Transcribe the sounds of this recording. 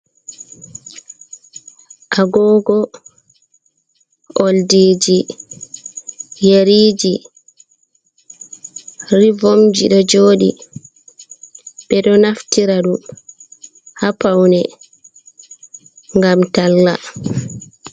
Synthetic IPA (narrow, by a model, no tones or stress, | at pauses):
ʔaɡɔːɡɔ | ʔoldid͡ʒi | jeɾiːd͡ʒi | rivomd͡ʒiɗɔd͡ʒoːɗḭ | ɓɛɗɔnaftiɾaɗum | hapawnɛ | ŋɡamtalːa